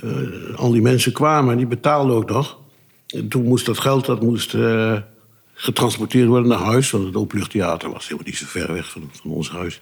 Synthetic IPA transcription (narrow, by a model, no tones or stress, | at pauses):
ɑ̰lˠdimɛnsəkʋaːməɛndibətaːlˠdəok̚nɔx | ntunmust̚dɔtχɛlˠtdɔtmust | χətrɑnspɔɹtɪːrtʋɔɹdənːaɦœɥsʋɔnətoplʏxtʰea̰ːtərʋɑ̰sɪmənisəfɛ̰rʋɛ̰xfɔnɔ̰nshœ̰ɥs